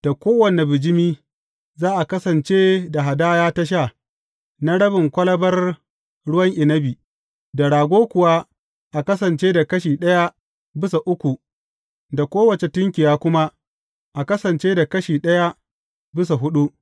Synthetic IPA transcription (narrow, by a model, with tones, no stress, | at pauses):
d̥a˨kʷoː˦wɐ˨ne˨bɪ˨d͡ʒɪ˦miː˦ | zaː˦ʔa˨kɐ˦sɐ˨nt͡ʃeː˦da˨ɦa˨daː˦jaː˦ta˦ʃ̬a˦˨ | na˦ɽɐ˦bɪ˨ŋkʷɐ˦lɐ˦bɐ˦r | ɽʊ˦wɐ˦ŋʔɪ˨nɐ˦biː˨ | da˨ɽaː˨ɡʷoː˦kʷʊ˨wa˦ | ʔa˨kɐ˦sɐ˨nt͡ʃeː˦da˨kɐ˦ʃiː˨ɗɐ˦ja˦ | bɪ˦sa˨ʔʊ˦kʷu˨ | da˨kʷoː˦wɐ˨t͡ʃe˨tʊ˦ŋkʲɪ˨jaː˦kʷʊ˦ma˦ | ʔa˨kɐ˦sɐ˨nt͡ʃeː˦da˨kɐ˦ʃiː˨ɗɐ˦ja˦ | bɪ˦s̬a˨ɦʊ˦ɗu˦